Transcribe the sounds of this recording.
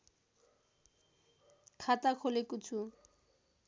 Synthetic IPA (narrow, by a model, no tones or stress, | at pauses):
kʰat̪akʰolekut͡ɕʰu